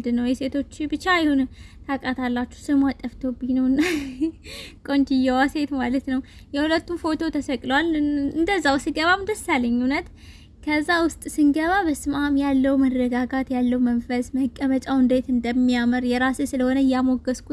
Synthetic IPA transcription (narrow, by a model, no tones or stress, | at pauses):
d̪ɨnːəwjɛse̞t̪ʰo̞t͡ʃːbɨt͡ʃːajɪhunt̪ʰakʼat̪ʰalːat͡ʃːu̥hsɨmat̪ʼːəft̪ʰobinəwnːa | kʼo̞nd͡ʒɪjɛwase̞t̪malət̪nəw | jɛhulət̪ːumfo̞t̪ʰo̞t̪ʰəsəkʼləwalɨnd̪əzːawsɨɡəβamd̪əsːaləɲːunət̪ | kʰəzːawʊst̪ʼsɨŋɡəβabəsɨmamjalːəwmərːəɡaɡat̪jalːəwmənfəsməkʼːəmət͡ʃʼawɨnd̪e̞t̪ɨnd̪əmːijaməɾjɛɾasesɨləho̞nəjamoɡəskʰu